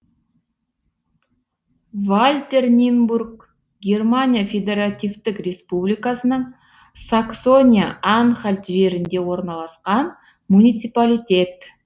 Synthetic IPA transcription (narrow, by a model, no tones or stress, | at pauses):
valʲt̪e̞rnʲinburk̚ | ɡʲe̞rmanʲijafʲe̞d̪e̞ɾat̪ijvt̪ɪkrʲe̞spublʲijkasənəɴ | sakso̞nʲijaanχalʲt̪ʒe̞ɾɪnd̪e̞wo̞ɾnɑlˠɑsqɑn | munʲijt̪sɨpalʲijt̪ʲe̞t̪